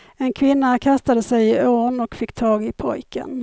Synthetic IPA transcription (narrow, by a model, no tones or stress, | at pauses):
ɛnkʰvɪnːakʰast̪ad̪əsɛjɪoːɳɔkfɪkːt̪ʰɑːɡɪpʰɔ̰jkʰə̰n